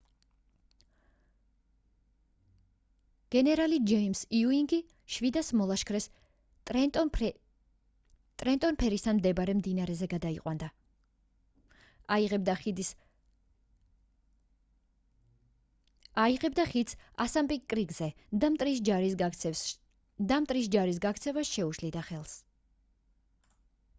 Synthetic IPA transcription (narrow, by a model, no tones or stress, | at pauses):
ɡ̥ɛnɛɾalid͡ʒɛimsiuiŋɡi | ʃvid̪asmɔlˠaʃkʰɾɛs | t̪ʼɾɛnt̪ʼɔnpʰɛɾist̪ʰanmd̪ɛbaɾɛmd̪inaɾɛzɛɡad̪aiqʼwand̪a | iʁɛbd̪ai | aiʁɛb̚d̪aχid̪sasampʼikʼɾiɡzɛd̪amt̪ʼɾis̬d͡ʒaɾisɡaɛ | d̪amt̪ʼɾisd͡ʒaɾis̬ɡakʰt̪sʰɛvasʃɛuʃlid̪aχɛlˠs